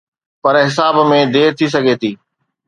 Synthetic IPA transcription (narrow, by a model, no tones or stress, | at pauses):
pɐɾɦɪs̬aːbmẽd̪eːɾt̪ʰis̬ɐɡʱeːt̪ʰiː